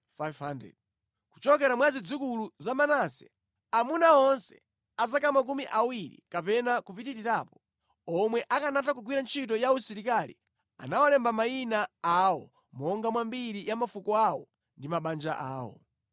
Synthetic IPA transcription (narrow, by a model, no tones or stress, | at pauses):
fajvhandɛ̰d̚ | ku̥t͡ʃɔkɛɾamwazid͡zukuluzamanasɛ | amunaɔnsɛ̥̰ | azakamak̬umiʔawiɾḭkapɛnakupitiɾiɾaːpɔ̥ | ɔmwɛʔakanatak̬uɡwiɾant͡ʃʰit̬ɔjausiɾikalḭ | a̰nawalɛmbamainaawɔ | mɔŋɡamwambiɾijamafukɔawɔ | ndimaɓand͡ʒaʔaːwɔ̰